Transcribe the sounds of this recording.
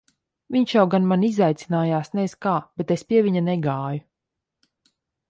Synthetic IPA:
vʲiɲʃjawɡanmanizajt̪sinaːjaːsnɛskaːb̥et̪espʲiɛvʲiɲanɛɡaːju

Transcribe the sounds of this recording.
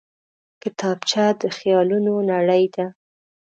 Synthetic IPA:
kɪt̪ɑbt͡ʃɑd̪əxjɑlunonaɽəjd̪a

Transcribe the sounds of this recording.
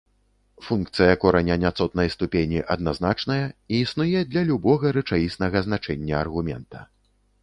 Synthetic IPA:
funkt̪sɨjɐkɔɾɐnʲɐnʲat̪sɔt̪̚nɐjst̪upʲenʲiʔɐd̪naznat͡ʂnɐjɐiːsnujɛd̪lʲɐlʲubɔɣɐɾɨt͡ʂajisnɐɣɐznat͡ʂɛnʲːɐɐrɣumʲɛ̰nt̪ɐ̥

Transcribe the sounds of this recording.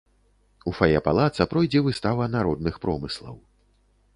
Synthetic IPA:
ufajɛpalˠat̪sɐpɾɔjd͡zʲɛvɨst̪avɐnaɾɔd̪̚nɨxpɾɔmɨslˠɐ̰w

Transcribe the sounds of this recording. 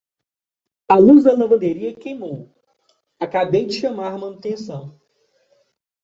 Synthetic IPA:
aluzd̪ɐlɐ̃vɐ̃nd̪eɾiɐkejmow | akabejd͡ʒɪʃɐmaɾmɐ̃nut̪ẽsɐ̃w̃

